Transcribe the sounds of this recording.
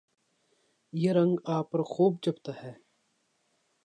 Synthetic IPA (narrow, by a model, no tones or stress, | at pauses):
jeɾɐ̃ŋɡaːpːɐɾxuːb̚d͡ʒɐbt̪aɦɛː